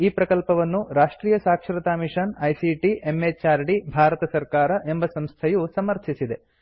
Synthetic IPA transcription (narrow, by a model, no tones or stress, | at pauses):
iːpɾɐkɐlpɐʋɐnːuɾaːʂʈɾiːjɐsaːkʂɾɐt̪aːmiʂɐnɐjsiʈie̞mːet͡ʃaːɾɖibʱaːɾɐt̪ɐsɐɾkaːɾɐʔe̞mbɐsɐmst̪ʰɐjusɐmɐɾt̪ʰisid̪e̞